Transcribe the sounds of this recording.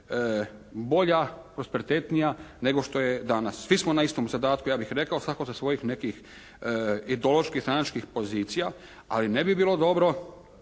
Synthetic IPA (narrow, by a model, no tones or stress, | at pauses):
bo̞ʎapɾo̞spe̞ɾit̪et̪nijane̞ɡo̞ʃt̪o̞jed̪anasːʋismonaist̪omzad̪aːt̪̚kujaːbixɾe̞kaosʋako̞zasʋo̞jixne̞kix | id̪eoloʃkixt̪ɾanat͡ʃkixpo̞ziːt̪sija | a̰line̞bibiːlˠo̞d̪o̞bɾo̞